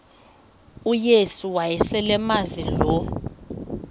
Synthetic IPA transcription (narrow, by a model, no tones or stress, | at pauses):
ujesuwajɛsɛlɛmazilɔ